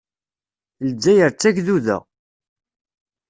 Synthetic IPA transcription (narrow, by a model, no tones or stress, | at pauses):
ld͡zːæjəɾt͡sːæʝðuðæ̰